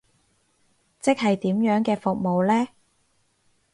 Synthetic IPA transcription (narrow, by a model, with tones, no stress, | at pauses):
t͡sɪ˥k̚hɐ˨jt̪iː˨˥mjœː˨˥ŋkɛː˧fʊ˨k̚mo˨wlɛː˥